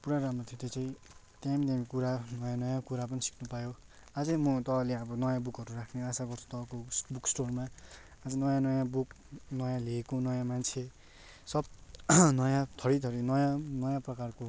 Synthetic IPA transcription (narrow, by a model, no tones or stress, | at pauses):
puɾaɾamrot̪ʰijot̪et͡sʰʌj̃t̪jamd̪amikuɾanʌjãnʌjãkuɾap̬ʌnisi̥kʰnupajo | ad͡zʌjmʌt̪ʌleʌbʌnʌjãbukʌɾurakʰneasaɡʌrt͡sʰu̥t̪ʌkobuksʈorma | ad͡zʌnʌjãnʌjãbuk | nʌjãleːkonʌjãmant͡sʰe | sʌb̚nʌjãt̪ʰʌɾit̪ʰʌɾinʌjãnʌjãprʌkarko